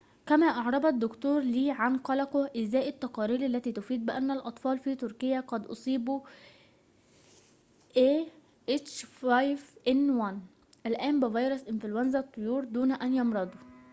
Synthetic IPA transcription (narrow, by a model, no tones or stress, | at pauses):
kæmæːʔɑʕɾˤɑbɑd̪ːʊkt̪uːɾliːʕanqɑlɑqʊʔɪzæːʔɪt̪ːɑqɑːɾiːlalːæt̪iːt̪ʊfiːd̪̚bɪʔænːælʔɑt̪ˤfɑːlfiːt̪ʊɾkɪjːæqɑd̪ʔo̰sˤiːbu | ʔeː | ʔet͡ʃfajvʔɪnwan | ʔælʔæːmbɪvɑjɾosʔɪnflwænzæt̪ˤːojuːɾd̪uːnæʔænjɑmɾˤɑd̪ˤo